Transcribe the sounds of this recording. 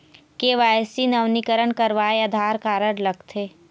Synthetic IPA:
keʋaːjsinɐʋnikəɾəɳkəɾʋaːeɐd̪ʱaːɾkaːɾəɽləɡt̪ʰeː

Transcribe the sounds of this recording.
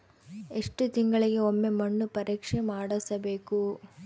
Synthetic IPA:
e̞ʂʈut̪iŋɡɐɭiɡe̞omːe̞mɐɳːupɐɾiːkʂemaːɽɐsɐbeːku

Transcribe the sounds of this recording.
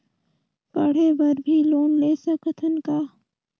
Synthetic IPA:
pɐɽ̤ebɐɾbʱiloːnleːsəkət̪ʰənkaː

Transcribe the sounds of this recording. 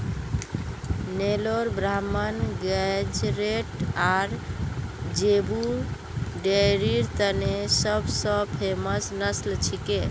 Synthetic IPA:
neloɾbɾamənɡɛd͡ʒɾeʈaɾ | d͡ʒebu | ɖeɾiɾt̪ənesəbsə̃pʰeməsnəslt͡ʃʰike

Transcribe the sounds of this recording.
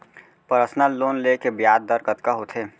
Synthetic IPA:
pəɾəsnaloːnlekebijaːd̪̚ːəɾkət̪kaɦot̪ʰeː

